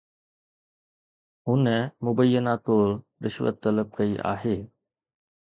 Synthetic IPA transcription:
ʊnɛmʊbəjːənaːt̪oɭ | ɾɪʃʋə̰t̪ːɐləb̚kɐiʔa̰ːɦeː

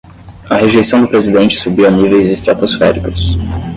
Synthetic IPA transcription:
ɐɦeʒejsɐ̃w̃d̪ʊpɾezid̪ẽnt͡ʃɪ̥subiwɐnivejzɪst̪ɾat̪osfɛ̰ɾikʊs

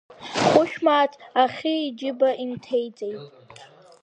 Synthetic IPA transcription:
χʷʊʃᶣmaːtʰaχʲiːd͡ʒɪbaʔimtʰe̞jt͡sʼe̞jtʼ

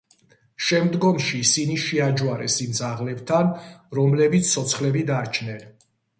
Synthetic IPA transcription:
ʃɛmd̪ɡɔmʃiːsiniʃiad͡ʒwaɾɛsimd̪zaʁlɛbt̪ʰanɾɔmlɛbit̪sʰsʰɔt̪sʰχlɛbid̪aɾt͡ʃʰnɛn

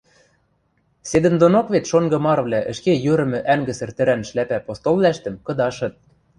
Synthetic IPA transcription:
sed̪ə̆nd̪onokβet̪ʃoŋɡɤ̆mɑrβlʲæʔə̆ʃkejyɾɘ̆mɘ̆ʔæŋɡɘ̆sɘ̆rt̪ɘ̆ɾænʃlæpæpost̪olˠːæʃt̪ə̆mkɤ̆d̪ɑʃɤ̆t̪̚

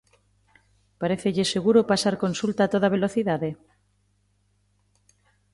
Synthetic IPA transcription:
paɾeθeʎɪseɣuɾʊpasaɾkonsult̪aːt̪oð̞aβ̞eloθiðaðe

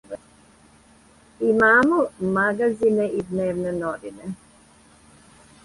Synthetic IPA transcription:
imaːmomaɡazineʔid̪neːʋnenoʋine

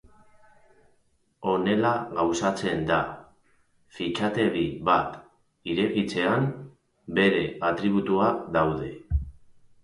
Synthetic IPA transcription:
o̞ne̞laɣawsat͡se̞nd̪a | fit͡ʃat̪e̞βiβat̪ | iɾe̞ɣit͡se̞am | be̞ɾe̞at̪ɾiβ̞ut̪uaðawðe̞

